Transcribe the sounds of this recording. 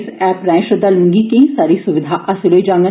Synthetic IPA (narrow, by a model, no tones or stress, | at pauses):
sɛːpɾɛ̃ːʃəd̪aːlʊ̃ŋɡiːkẽsaːɾiːsʊʋɪd̪ʱaːʔɐsɪloid͡ʒãːŋɡə